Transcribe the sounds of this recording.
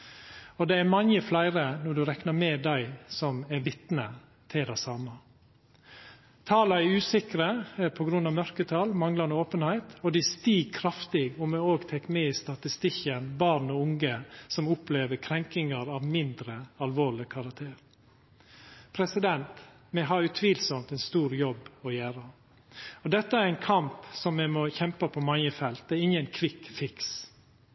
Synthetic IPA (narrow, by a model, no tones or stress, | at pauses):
ɔd̪ɛːæɾmɑɲjəflæɪɾənɔɖ̪ʉːɾɛknɑɾmɛːd̪æɪsɔmæɾʋɪt̪nə | t̪ʰɪld̪æɪsɑmə | t̪ʰɑːlɑɛɾʉːsɪkɾəpʰɔɡɾʉnːɑːmœɾkət̪ʰɑlmɑŋlɑnəoːpənhæɪt̪ɔd̪ɪst̪iːɡ̚kʰɾɑft̪ɪɡɔmæoːɡt̪ʰɛkːmɛːiːst̪ɑt̪ɪst̪ɪçənbɑɾnɔʊŋɡəsɔmʊpleːʋəkʰɾɛŋkɪŋəɾɑʋmɪnd̪ɾəɑlʋoːɭɪkʰɑɾɑk̚t̪ʰeːɾ | pʰɾɛsɪd̪ɛnt̪ | mɛɦɑɾjʊt̪ʰʋiːlsɔmt̪ɛnst̪uːɾjɔbɔjæːɾə | ɔd̪ɛt̪ːəæɾæɪnkʰɑmpsɔmːɛmɔçɛmpəpʰɔmɑŋjəfɛlt̪̚d̪ɛɪŋːənkʰʋɪkfɪks